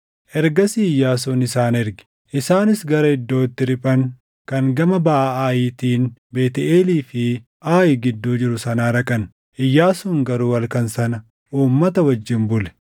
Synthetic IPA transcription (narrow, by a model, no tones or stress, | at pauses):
ʔɛɾɡɐsiɪjːaːs̬uːnɪsaːnɛɾɡɪ̥ | ʔɪsaːnɪsɡɐɾɐɪd̪ːo̞ːɪt̪ːɪɾɪpʼɐŋ | kɐŋɡɐmɐbɐʔaaːjiːt̪iːnbeːt̪ɛʔeːliːfɪ | ʔaːjɪɡɪd̪ːuːd͡ʒɪɾʊsɐnaːɾɐkʼɐn | ʔɪjːaːsuːŋɡɐɾuːwɐlkɐnsɐnɐ | ʔuːmːɐt̪ɐwɐd͡ʒːɪnbʊlɛ̥